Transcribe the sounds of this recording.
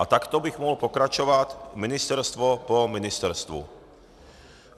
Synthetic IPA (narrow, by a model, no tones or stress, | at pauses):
at̪akt̪ɔbiɣmɔɦɔlpɔkɾat͡ʃɔʋat̪minist̪ɛɾst̪ʋɔpɔminist̪ɛɾst̪ʋṵ